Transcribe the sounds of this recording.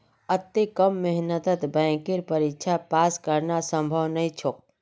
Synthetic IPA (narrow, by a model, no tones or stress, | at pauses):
ət̪ːekəmːɪɦnət̪ət̪bɛ̃ːkiɾpəɾɪkt͡ʃʰapaːskəɾnasə̃mbʱəwnəĩt͡ʃʰok̚